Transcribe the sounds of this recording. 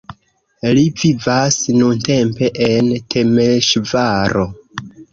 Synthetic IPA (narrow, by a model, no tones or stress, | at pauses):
livivasnunte̞mpe̞ʔentʰe̞meʃvaɾo̞